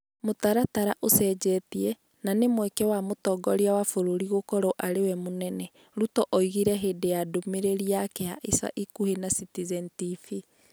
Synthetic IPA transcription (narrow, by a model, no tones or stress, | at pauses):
motaɾataɾaʔosɛːd͡ʑɛtiɛ | nanemwɛkɛwamotɔɡɔɾiawafoɾoɾiɣokɔɾɔʔaɾewɛmonɛnɛ | ɾutɔʔɔiɣiɾɛɦeːdejadomeɾeɾiakeaʔesa̰ʔikuhenasitizɛntifi